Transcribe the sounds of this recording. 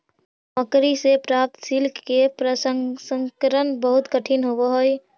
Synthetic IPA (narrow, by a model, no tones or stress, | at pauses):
məkɾisepɾap̚t̪silkːepɾəsəsə̃ŋkəɾənbəɦʊt̪kəʈʰinɦoboɦoj